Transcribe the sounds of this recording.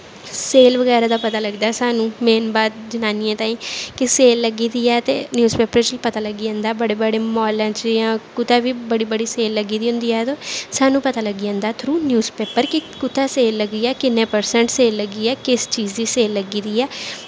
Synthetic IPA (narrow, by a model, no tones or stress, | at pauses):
seːlʋəɡɛːɾaːd̪aːpət̪aːləɡd̪aːsaːnũːmeːnbaːd̪̚d͡ʒənaːnijãːt̪ãːĩːkɪseːlːəɡiːd̪iːɛːt̪ḛːnjuːzpeːpəɾt͡ʃəlpət̪aːləɡiːãːnd̪aːbəɽeːbəɽeːmɔːlãːt͡ʃjãːkʊt̪aːʋiːbəɽiːbəɽiːseːlːəɡiːd̪iːɦʊ̃nd̪iːɛːt̪oːsaːnũːpət̪aːləɡijãːnd̪aːt̪ʰɾuːnjuːzpeːpəɾkɪkʊt̪aːseːlːəɡiːɛːkɪnːẽːpəɾsəɳʈseːlːəɡiːɛːkɪst͡ʃiːd͡ʒd̪iːseːlːəɡiːd̪iːɛː